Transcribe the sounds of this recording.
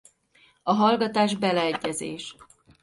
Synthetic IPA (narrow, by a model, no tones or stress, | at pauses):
ɒɦɒlɡɒt̪aːʒbɛlɛɛɟːɛzḛːʃ